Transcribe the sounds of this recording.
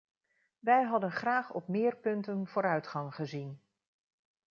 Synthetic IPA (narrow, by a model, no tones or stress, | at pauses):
ʋɛjɦɑdənχraːχɔ̰p̚mɪːɹpɵntənv̥ʊːɾœɥtχɑŋχəzin